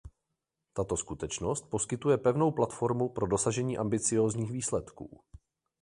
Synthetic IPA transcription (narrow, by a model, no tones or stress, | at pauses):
t̪at̪o̞skut̪ɛt͡ʃno̞st̪̚po̞skɪt̪ujɛpɛvno̞wplat̪fo̞ɾmupɾo̞do̞saʒɛɲiːʔambɪt͡sɪjo̞ːzɲiːxviːslɛt̪kṵː